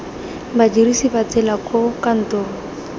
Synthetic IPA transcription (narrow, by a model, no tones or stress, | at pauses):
bad͡ʒirisibat͡sɛlakʼʊkan̩tɔːŋ̩